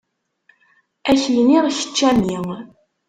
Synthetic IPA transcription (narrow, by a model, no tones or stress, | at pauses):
æçjniʁʃə̥t͡ʃːæmiŋ